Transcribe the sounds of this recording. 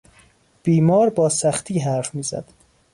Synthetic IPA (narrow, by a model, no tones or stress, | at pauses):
b̥iːmɒːɾbɒːsæxt̪ʰiːɦæɾfmiːzæ̰d̪̥